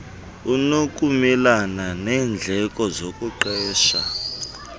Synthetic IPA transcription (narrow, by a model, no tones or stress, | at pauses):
unokʼumɛlananɛːnd͡ɮʱɛkʼɔzokʼuǃɛːʃa